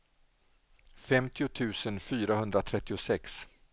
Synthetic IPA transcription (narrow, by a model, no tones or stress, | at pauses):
fɛmt̪ʰɪʊt̪ʰʉ̟ːsənfyːɾahɵnd̪ɾat̪ʰɾɛt̪ːɪʊsɛks